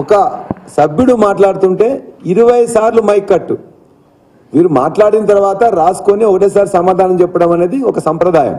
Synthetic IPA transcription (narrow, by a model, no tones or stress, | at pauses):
ɔkɐsɐbjuɽumaːʈlaːɽut̪uɳʈe̞ːiɾuʋɐjsaːɾlumɐjkːɐʈːu | ʋiːɾuma̰ːʈlaːɽinɐt̪̬ɐɾʋaːt̪ɐɾaːsu̥konioːɖeːsaːɾsɐmaːd̪ʱaːnɐmt͡ʃɛpːɐɽɐmɐne̞ːd̪iɔkɐsɐmpɾɐd̪aːjɐ̰m